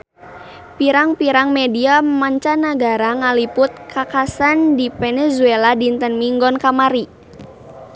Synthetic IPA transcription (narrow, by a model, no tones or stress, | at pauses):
piɾaŋpiɾaŋmɛdiamaɲt͡ʃanaɡaɾaŋalipʊt̪̚kʰakasandipɛnɛzueladint̪ənmiŋɡɔnkamaɾi